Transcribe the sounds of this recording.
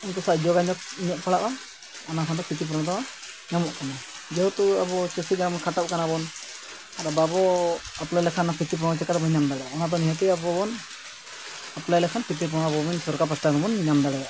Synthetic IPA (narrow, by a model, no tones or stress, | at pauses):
int̪ɔsad͡ʒɔɡaɲɔk̚ɲɔʔpaɽaʔa | ɔnakʰant̪ɔpʰit̪ip̬ɾɔnɔt̪ɔ | ɲamɔʔkana | d͡ʒɛɦwt̪uabɔt͡ʃusiɡanmɔnkʰat̪ap̚kanabɔn | aɾababɔaplajlɛkʰanapʰit̪ip̬ɾɔ̃ɔt͡ʃɛkaɾbɔɲamd̪aɽɛjaʔɔnat̪̬ɔniɦɔt̪ɛjabɔbɔn | aplajlɛkʰanpʰit̪̬ip̬ɔɽ̃abɔmɔnsɔɾkap̬asʈaɡamɔnɲamd̪aɽɛjaʔ